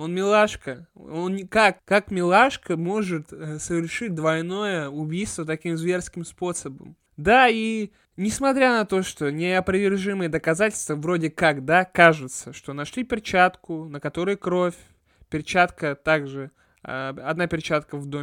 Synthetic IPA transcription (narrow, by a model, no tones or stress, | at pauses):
onmʲɪlˠaʂkəonʲkakːakmʲɪlˠaʂkəmo̞ʐɨt̪əsəvʲɪrʂɨt̚ʲd̪vɐjno̞jəʊbʲijst̪vət̪̬ɐkʲimzvʲe̞rskʲɪmspo̞səbə̰m | d̪ai | nʲɪsmɐt̪ɾʲanɐt̪o̞ʂt̪o̞nʲɪɐpɾəvʲɪrʐɨmɨjəd̪əkɐzatʲɪlʲst̪vəvɾo̞dʲɪkakd̪akaʐɨt̪səʂt̪o̞nɐʂlʲipʲɪrt͡ɕat̪kʊnəkɐt̪o̞ɾɨjʊkɾo̞fʲ | pʲɪrt͡ɕat̪kət̪aɡʐɨ | ɐd̪napʲɪrt͡ɕat̪kəvd̪o